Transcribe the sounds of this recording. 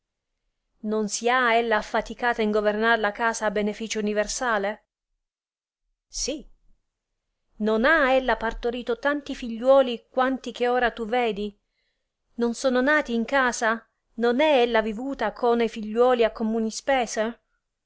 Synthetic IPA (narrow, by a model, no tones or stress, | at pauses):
nonsiaelːaːfːat̪ikaːt̪aiŋɡovernaɾlakaːsaːbenefiːt͡ʃouniversaːle | si | nonaelːapart̪oɾiːt̪ot̪ant̪ifiʎːwɔːlikwant̪ik̟eoːɾat̪uveːd̪i | nonsoːnonaːt̪iːŋkaːsa | nonɛɛlːavivuːt̪akʰonefiʎːwɔːliakːomuːnispɛːse